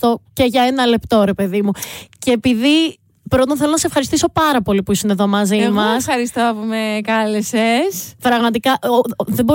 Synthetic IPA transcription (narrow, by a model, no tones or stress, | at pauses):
t̪o̞ce̞ʝɐenɐle̞pt̪o̞ɾe̞pe̞ðimuceːpiði | pɾo̞t̪onθe̞lonɐsefxɐɾist̪iso̞pɐɾɐpo̞lipuisineðo̞mɐzimɐsɐɾist̪oɐpumekɐlesespɾɐɣmɐt̪ikɐðebo̞